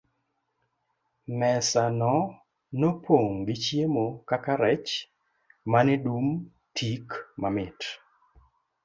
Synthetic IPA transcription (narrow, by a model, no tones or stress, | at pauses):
mɛsanɔ | nopoŋɡɪt͡ʃjemokakaɾɛt͡ʃ | manɪdum | tʰikmamɪt